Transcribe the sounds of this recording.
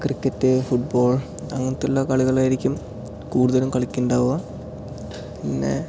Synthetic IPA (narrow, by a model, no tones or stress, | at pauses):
krikːɐtːɨfuʈ̚bo̞ːɭ | ɐ̰ŋːɐnt̪ːulːɐkɐɭiɣɐɭaːjiɾikʲːum | kuːɽuðɐlumkɐɭikʲːuɳɖaːʋuɣɐ | pinːḛ